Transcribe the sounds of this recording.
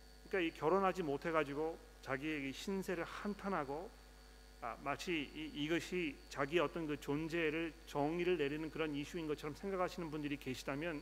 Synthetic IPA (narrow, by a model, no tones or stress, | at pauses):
kɯɲik͈aikjʌɾonɦad͡ʑimotʰe̞ɡad͡ʑiɡo | t͡ɕaɡieɡeɕʰinsʰe̞ɾɯɭhantʰanɦaɡo | amat͡ɕʰiiːɡʌɕʰit͡ɕaɡiʌt͈ʌnkɯt͡ɕond͡ʑe̞ɾɯɭt͡ɕʌŋiɾɯɭne̞ɾinɯnkɯɾʌniɕʰuinɡʌt͡ɕʰʌɾʌmsʰe̞ŋɡakʰaɕʰinɯnbundɯɾike̞ɕʰidamjʌn